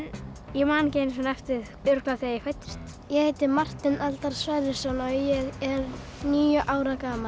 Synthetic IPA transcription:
njɛmaːncejnsɔnɛft̪ɪð | ʏɾkaθijɛkfajt̪ːɪ̥st̪ | jɛhejt̪ɪmar̥t̪ɪnʔalt̪aɾ̥svaðɪsɔnɔjɛɣɛɾ | niːjʏʔaːwɾakaːmal

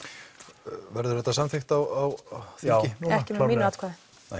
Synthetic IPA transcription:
vɛɾðʏɾhɛt̪ːasamθɪxt̪awawθɛɪnunɛhcɪaiːnat̪kʰvað

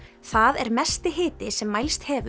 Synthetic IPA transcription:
θaðɛɾmɛst̪ɪɦɪːt̪ɪsɛmːajlst̪hɛːvʏ

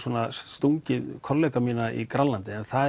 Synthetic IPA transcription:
suɔnasst̪uɲcɪðkʰɔɾlɛːkamiːnaḭkɾanlant̪ɪɛnθa

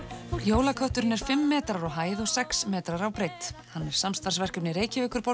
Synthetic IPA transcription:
joːwlakʰœht̪ʏɾɪnɛɾ̥fɪmːɛːt̪ɾaɾɔɣɦaːjðɔɣsɛksmɛːt̪ɾaɾawpɾejt̪hanːɛɾ̥samst̪ar̥svɛr̥kʏpnɪɾeːjcɪvɪːkʏɾpo

